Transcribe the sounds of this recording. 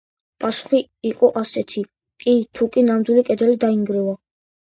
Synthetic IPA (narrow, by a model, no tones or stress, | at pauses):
pʼasu̥χiːqʼɔʔasɛt̪ʰi | kʼit̪ʰukʼinamd̪wilikʼɛd̪ɛlid̪aiŋɡɾɛva